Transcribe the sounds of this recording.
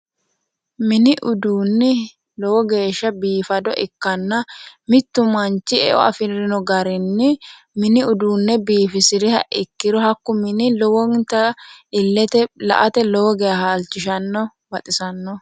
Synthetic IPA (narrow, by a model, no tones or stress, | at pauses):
mɪnɪʔʊd̪uːnːɪ | lɔwɔɡe̞ːʃːɐbiːfɐd̪ɔʔɪkːɐnːɐmɪt̪ːʊmɐnt͡ʃːɪɛ̰ʔɔ̰ɐfɪɾɪnɔɡɐɾɪnːɪ | mɪnɪʊd̪uːnːɛbiːfɪsɪɾɪhɐʔɪkːɪɾɔɦɐkːʊmɪnɪlɔwɔnt̪ɐɪlːɛt̪ɛlɐ̰ʔɐt̪ɛlɔwɔɡɛjɐhaːlt͡ʃːɪʃɐnːɔ | bɐt̪ʼɪsɐnːɔ